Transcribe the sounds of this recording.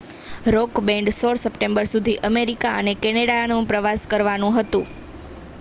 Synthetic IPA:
ɾokbɛ̃ɳɖsoɭsəpʈẽmbəɾsud̪ʱiʔəmeɾikaənekɛneɽanũpɾəʋaskəɾʋanũɦət̪ũ

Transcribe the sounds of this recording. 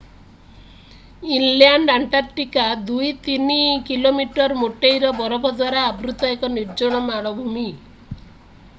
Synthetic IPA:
inljaɳɖaɳʈaɾʈikad̪ujt̪inikilomiʈɔɾmoʈejɾɔbɔɾɔbʱɔd̪waɾaːbɾut̪ɔekɔniɾd͡ʒɔɽ̃ɔmaɽɔbʱumi

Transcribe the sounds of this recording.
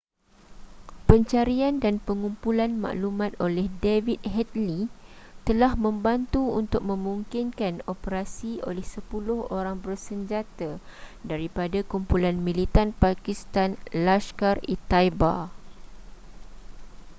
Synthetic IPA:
pəɲt͡ʃaɾiandanpəŋumpulanma̰ʔlumãt̪olɛhdevit̪̚hɛt̪̚lit̪əlahmə̃mbant̪uunt̪ʊk̚mə̃mũŋkinkanopəɾasio̰lɛhsəpulʊhoɾaŋbərsəɲd͡ʒat̪adaɾipadakumpulanmĩlit̪anpakist̪anlaskarit̪ajba̰

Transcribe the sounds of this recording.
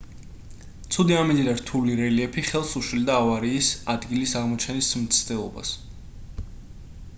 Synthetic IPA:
t̪sʰud̪iamid̪id̪aɾt̪ʰuliɾɛliɛpʰiχɛlˠsuʃwild̪aːvaɾiːsad̪ɡilisaʁmɔt͡ʃʰɛnismt̪sʰd̪ɛlˠɔba̰s

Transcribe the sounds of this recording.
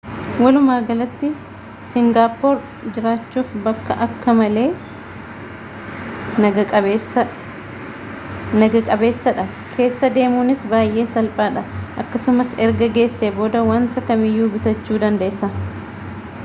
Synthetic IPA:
wɐlʊmaːɡɐlɐt̪ːɪ | sɪŋɡaːpoɾ | d͡ʒɪɾaːt͡ʃːuːfbɐkːɐʔɐkːɐmɐle̞ː | ɐɐ | nɐɡɐkʼɐbe̞ːsːɐᶑɐ | kʰe̞ːsːɐd̪e̞ːmuːnɪsbaːjʔe̞ːsɐlpʼaːᶑɐʔɐkːɐsʊmɐsɛɾɡɐɡe̞ːsːeːboːd̪ɐwaːnt̪ɐkɐmɪjːuːbɪt̪ɐt͡ʃːuːd̪ɐnd̪eʔːsːɐ

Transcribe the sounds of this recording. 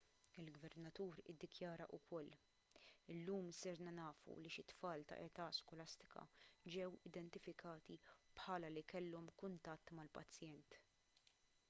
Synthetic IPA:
ɪlɡvɛɾnɐt̪uːɾɪd̪ːɪkjɐːɾɐʔʊkɔlː | ɪlːuːmsɪɾnɐnɐːfṵliʃɪt̪ːfɐːlt̪ɐ̰ʔɛt̪ɐskɔlɐst̪ɪ̥kɐ̰d͡ʒɛwɪd̪ɛnt̪ɪfɪkɐːt̪ipħɐːlɐlikɛlːɔmkʊnt̪ɐt̪ːmɐlpɐt͡sːjɛnt̪

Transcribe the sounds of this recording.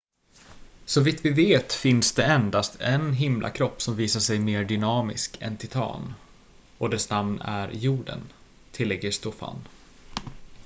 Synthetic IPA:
sɔvit̪vɪveːt̪fɪnsd̪ɛɛnd̪ast̪ʰɛnɦɪmlʔa̰kʰɾɔpːsɔmviːsaʂɛjmeːɖʏnɑːmɪ̰skɛ̰nt̪ʰɪt̪ʰɑ̰ːn | ɔd̪ɛsnamnæ̰ɾjuːɖə̰n | t̪ʰɪlːɛɡːəʂt̪ɔfa̰n

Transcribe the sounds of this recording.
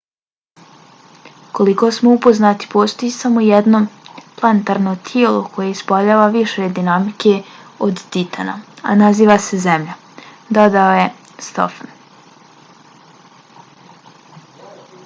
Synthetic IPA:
ko̞liko̞smoupoznat̪i̥po̞ːst̪o̞jisamojed̪nomplˠant̪aɾnot̪ʰjielˠo̰ko̞jeispaʎaːʋaʋiʃed̪inamike̞od̪t̪it̪ʰa̰na̰a̰naziːʋase̞zemʎa | d̪od̪aoje | st̪o̰fan

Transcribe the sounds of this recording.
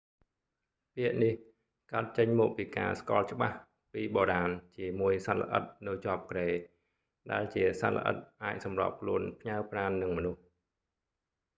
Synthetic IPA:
piəʔnih | kaət̪̚t͡ɕəɲmɔːk̚piːka̰ːskŏəlt͡ɕə̆ɓa̰h | piːɓoːɾaːnt͡ɕiəmuəjsanlə̰ʔə̰t̪̚nɨwt͡ɕŏəp̚kreː | ɗaɛlt͡ɕiəsa̰lə̰ʔə̰t̪̚ʔaːc̚sɑmro̰əp̚kʰluənpʰɲawpraːnːɨŋmənuh

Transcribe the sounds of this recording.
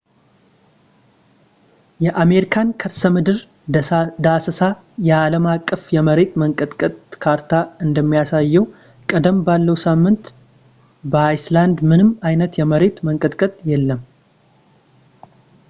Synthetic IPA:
jɛʔame̞ɾikʰankʰəɾsəmɨd̪ɨɾ | d̪asəsa | jɛaləmakʼːəfjɛməɾe̞t̪məŋkʼət̪kʼət̪ʼkʰaɾt̪ʰaɨnd̪əmːijasajːɛw | kʼəd̪əmbalːəwsamːɨnt̪ | bəajsland̪mɨnɨmːajnət̪jɛməɾe̞t̪məŋkʼət̪kʼət̪ʼjɛlːəm

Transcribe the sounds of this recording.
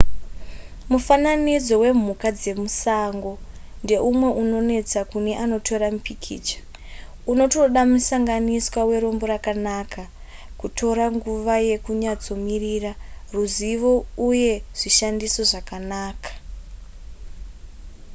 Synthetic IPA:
mufananid͡zo̞we̞m̤ukad͡ze̞musaŋɡo̞nde̞ʔumwe̞ʔuno̞ne̞t͡sakune̞ʔano̞tʰo̞ɾamupikʰḭːt͡ʃḁ | uno̞to̞ɗamusaŋɡaniswawe̞ɾo̞mbo̞ɾakanakʰa | kutʰo̞ɾaŋɡuʋaje̞kuɲad͡zo̞miriraruziʋo̞uje̞ʐ̥iʃandiso̞ʐakanaːkḁ

